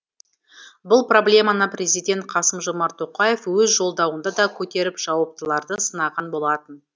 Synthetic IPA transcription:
bʊlˠpro̞blʲe̞mɑnəprʲe̞zijd̪ʲe̞nt̪̚qʰɑsəmʒomɑɾt̪ʰo̞qɑje̞fwɵzʒo̞lˠd̪ɑwənd̪ɑd̪ɑkʲʰɵt̪e̞ɾɪpʒ̥ɑwɑp̚t̪əlˠɑɾd̪əsənɑʁɑnbo̞lˠɑt̪ən

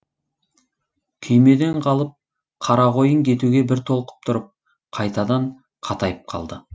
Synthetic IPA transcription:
kʲʰʏjme̞d̪e̞ɴqʰɑlˠəp̚ | qʰɑɾɑʁo̞jəŋkʲʰe̞t̪uɡʲe̞bɪɾt̪ʰo̞lˠqə̥p̚t̪ʰʊɾəp̚ | qʰɑjt̪ɑd̪ɑɴ | qʰɑt̪ɑjəp̚qʰɑ̰lˠd̪ə

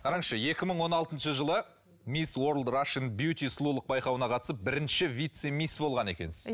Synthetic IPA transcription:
qʰɑɾɑɴʃəje̞kʲɪməɴwo̞nɑlˠt̪ənʃəʒəlˠə | mʲiswo̞ɾld̪raʃənbjut̪ʲislˠulˠəq̚bɑjqɑwənɑqʰɑt̪əsəp̚bɪɾɪnʃɪvijt̪semʲisbo̞lˠʁɑne̞kʲe̞nsɪz

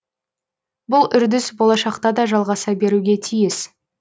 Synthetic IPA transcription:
bʊlˠʏɾd̪ɪsbolˠɑʃɑqt̪ɑd̪ɑʒɑlˠʁɑsɑbe̞ɾuɡʲe̞t̪ʰijɪs

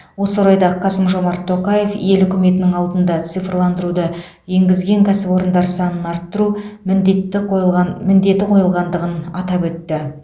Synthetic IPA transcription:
wo̞səoɾɑjd̪ɑqʰɑsəmʒo̞mɑɾt̪ʰːo̞qɑje̞fje̞lʏkʲʏme̞t̪ɪnɪŋɑlˠd̪ənd̪ɑt̪sɨjfrlˠɑnd̪əɾud̪ə | je̞ŋɡʲɪzɡʲe̞ŋkʲʰæsɪpo̞ɾənd̪ɑɾsɑnənɑɾt̪ːəɾu | mɪnd̪e̞t̪ɪqʰo̞jəlˠʁɑnd̪əʁənɑt̪ɑpwɵt̪ːɪ

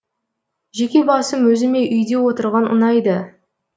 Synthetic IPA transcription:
ʒe̞kʲe̞bɑsəmwɵzɪme̞ʔʏjd̪e̞wo̞t̪əɾʁɑnə̰nɑjd̪ə

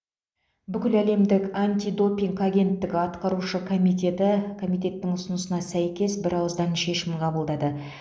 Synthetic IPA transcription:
bʏkʲɪlæle̞md̪ɪkanʲt̪ʲid̪o̞piŋkaɡʲe̞nt̪ːɪɡʲɪɑt̪qɑɾuʃəkʰomit̪et̪ɪkʰo̞mijt̪̬e̞t̪ːɪŋʊsənəsənɑsæjkʲe̞sbɪɾɑwəzd̪ɑnʃe̞ʃɪmqʰɑbəlˠd̪ɑd̪ə

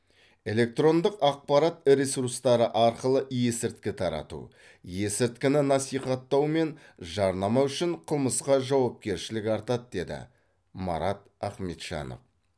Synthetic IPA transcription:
e̞le̞k̚t̪ro̞nd̪əqɑq̚pɑɾɑt̪ɾesuɾst̪ɑɾəʔɑɾqəlˠəje̞sɪɾt̪̚kʲɪt̪ʰɑɾɑ̰t̪ṵ | je̞sɪɾt̪kʲɪnɪnɑsijχɑt̪ːɑwme̞nʒɑɾnɑmɑʏʃɪɴqʰəlˠməsqɑʒɑwɑp̚kʲe̞ɾʃɪlɪkʲɑɾt̪ɑt̪̚d̪e̞d̪ɪ̰ | mɑ̰ɾɑt̪æχme̞t̪ʃɑ̰nə̰v

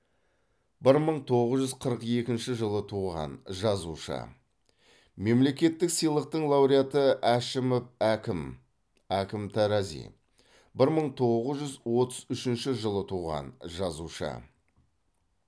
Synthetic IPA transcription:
bɪɾməɴt̪ʰo̞ʁəzʒʏzqʰəɾəqe̞kʲɪnʃɪʒəlˠət̪ʰuʁɑ̰nʒɑzuʃə̰ | me̞mle̞kʲe̞t̪ːɪksijlˠəq̚t̪əɴlˠɑwɾijat̪əʔæʃɪmofækɪm | ækʲɪmt̪ʰæɾɑzḭ | bɪɾməɴt̪ʰo̞ʁəzʒʏzwo̞t̪əzʏʃɪnʃɪʒəlˠət̪ʰuʁɑ̰nʒɑzuʃə̰

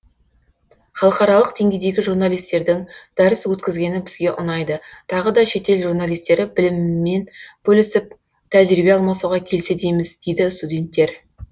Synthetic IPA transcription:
χɑlˠəqɑɾɑlˠəqd̪e̞ŋɡʲe̞jd̪e̞ɡʲɪʒurnalˠijst̪e̞ɾd̪ɪŋd̪̥ɑɾəswɵt̪kʲɪzɡʲe̞nɪbɪzɡʲe̞ʔʊnɑjd̪ət̪ʰɑʁəd̪ɑʃe̞t̪e̞lʒuɾnalˠijst̪e̞ɾɪbɪlɪmːe̞nb̥ɵlɪsɪp̚ | t̪ʰæʒɾibe̞ɑlˠmɑsuʁɑkʲʰe̞lse̞d̪ejmɪzd̪e̞jd̪ɪst̪ud̪ʲe̞nt̪ːe̞ɾ

